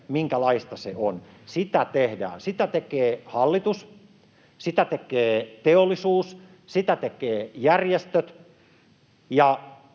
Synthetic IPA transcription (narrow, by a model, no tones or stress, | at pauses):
miŋkælɑist̪ɑseon | sit̪æt̪ehdæ̰ːsit̪æt̪ekeːhɑlːit̪us | sit̪æt̪ekeːt̪eolːˑisuːs | sit̪æt̪ekeːjærjest̪øt̪ | jɑ